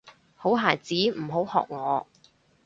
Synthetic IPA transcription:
ho˨˥wɦaː˨˩jt͡siː˨˥m̩˨˩ɦo˨˥whɔ̰ː˨k̚ŋɔː˨˧

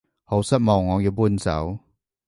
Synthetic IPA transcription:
ho˨˥wsɐ˥t̚mɔː˨˩ŋːɔː˨˧˦ji˨˧pu˥˩nt͡sɐ̰˨˦w

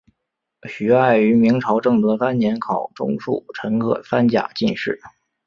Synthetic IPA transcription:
ɕy˨˥a˥˩ɪy˧˥mi˧˥ŋʈ͡ʂʰɑ˧˥ʊʈ͡ʂɤ˥˩ŋt̪ɤ˧˥fa˥nnjɛ˧˥nkʰɑ˨˩ʊʈ͡ʂʊ̰˥ŋʂṵ˥˩ʈ͡ʂʰɤ˧˥nkʰɤ̰˧˩fa˥nt͡ɕja̰˨˩t͡ɕi˥˧nʂɻ̩˥˩

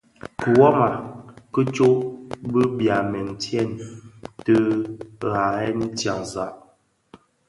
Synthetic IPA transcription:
kə˨wɔ˦ma˨kə˦t͡ʃo˦ʔbə˦bja˨mɛ˨n˨tjɛ˦˨ntə˦ɣa˨ɛ˦n˦tja˨ŋza˨ʔ

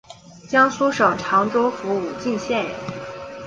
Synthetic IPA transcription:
t͡ɕjɑ˥ŋsu˥ʂɤ˨˩ʊʈ͡ʂʰɑ˧˥ŋʈ͡ʂo˥ʊfu˧˥u˨˩t͡ɕi˥˧nɕjɛ˥˩n̰˨˩˦

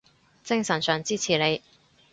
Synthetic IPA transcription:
t͡sɪ˥ŋsɐ˨˩nsœː˨˩ŋt͡siː˥t͡sʰiː˨˩ne˨˧j

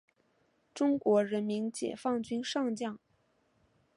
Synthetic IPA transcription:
ʈ͡ʂʊ˥ŋkwɔ˧˥ɻə˧˥nmi˧˥nt͡ɕjɛ̰˨˩fɑ˥˩ŋt͡ɕy˥nʂɑ˥˧ŋt͡ɕjɑ˥˩ŋ

